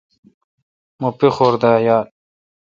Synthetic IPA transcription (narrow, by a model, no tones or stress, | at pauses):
mopixoːɾd̪aːjaːl